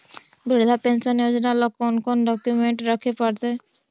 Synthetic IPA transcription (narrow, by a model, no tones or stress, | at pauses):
biɽd̪ʱapensənjod͡ʒnalɔkːɔnkɔnɖɔkjumeɳʈɾəkʰepəɽt̪e